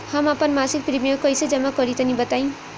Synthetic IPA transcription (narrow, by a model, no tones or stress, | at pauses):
hamapʌnmasik̚pɾimijʌkʌjsʌd͡zʌmːakʌɾit̪ʌnibʌt̪aj̃